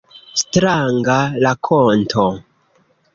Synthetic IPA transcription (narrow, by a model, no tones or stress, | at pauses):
stɾaŋɡalakʰontʰo